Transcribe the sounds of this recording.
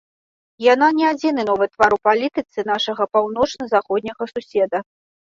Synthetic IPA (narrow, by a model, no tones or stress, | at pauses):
jan̪anʲɛad͡zʲinɨnɔvɨt̪vaɾupalʲit̪ɨt̪sɨnaʂɐɣɐpawnɔt͡ʂnɐzaxɔd̪ʲnʲɐɣɐsusʲɛd̪ɐ